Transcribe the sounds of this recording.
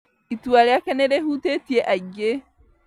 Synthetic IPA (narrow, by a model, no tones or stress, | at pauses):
itwaɾejakɛneɾehutetieʔaɟe